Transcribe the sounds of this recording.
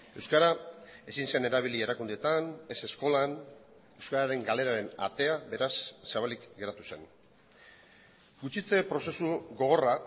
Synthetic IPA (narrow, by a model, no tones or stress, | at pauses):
e̞wskaɾae̞sinse̞ne̞ɾaβilie̞ɾakund̪e̞t̪ane̞se̞sko̞lan | e̞wskaɾaɾe̞ŋɡale̞ɾaɾe̞na̰t̪e̞aβe̞ɾasːaβalikɡe̞ɾat̪u̥se̞n | ɡut͡ʃit͡se̞pɾo̞se̞suɣo̞ɣ̞o̞ra